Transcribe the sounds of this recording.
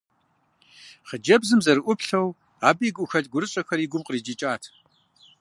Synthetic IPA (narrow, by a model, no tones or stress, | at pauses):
χəd͡ʒɐbzɨmzɐrɨʔʷʊpɬɐw | aːbjiɡʷʼʊxɐtʼɡʷʊɾɨɕʼɐxɐriːɡʷʊmqəriːd͡ʒit͡ʃʼaːtʰ